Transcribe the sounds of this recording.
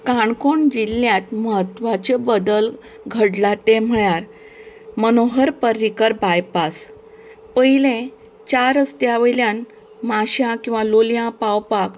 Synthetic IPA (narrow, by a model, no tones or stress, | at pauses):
kaɳkoɳd͡ʑilːjãt̪məɦət̪ʋat͡ɕebəd̪əl | ɡʱəɽlat̪em̤əɭjaɾ | mənoɦəɾpəɾːikəɾbajpas | pəilẽ | t͡ɕaɾəst̪jaʋəjljãn | maɕjãkĩw̃ʋaloljãpawpak